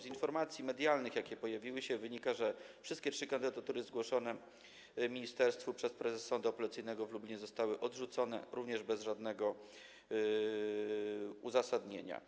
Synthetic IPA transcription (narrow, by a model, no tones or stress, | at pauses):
zinfɔɾmat̪sʲjimɛd̪ʲjalnɘxjakʲɛpɔjavʲiwɘɕɛvɘɲikaʐɛfʂɘst̪̚kʲɛtʂɘkand̪ɘd̪at̪uɾɘzɡwɔʂɔnɛ | mʲiɲist̪ɛɾst̪fupʂɛspɾɛzɛsːɔnd̪uɔpɔlat̪sɘjnɛɡɔvlublʲiɲɛzɔst̪awɘʔɔd̪ʐut̪sɔnɛ̰ɾuvɲɛʐbɛzʐad̪nɛɡɔ | uzasad̪ɲḛɲa̰